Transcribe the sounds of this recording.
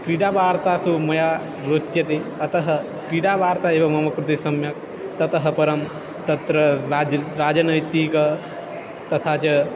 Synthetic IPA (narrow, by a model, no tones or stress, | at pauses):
kɾiɖabaːɾt̪asumɐja | ɾoːt͡ʃːjɐt̪eɐt̪ɐɦɐ̆ | kɾiɽabaːɾt̪aeːbɐmɐmɐkɾut̪isɐmjɐk̚ | t̪ɐt̪ɐɦɐ̆pɐɾɐm | t̪ɐt̪ɾɐ | ɾaːd͡ʒɐnɐjt̪ikɐ | t̪ɐt̪ʰat͡ʃɐ